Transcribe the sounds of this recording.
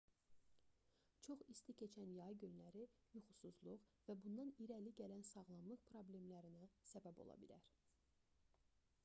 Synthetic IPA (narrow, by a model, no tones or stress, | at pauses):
t͡ʃʰo̞χist̪icʰe̞t͡ʃʰænjɑɯɟynlæɾijuχusuzlˠuʁvæbund̪ɑniɾæliɟælænsɑɣlˠɑmlˠɯχpʰɾo̞ble̞mlæɾinæsæbæbo̞̰lˠɑ̰bḭlæɾ̥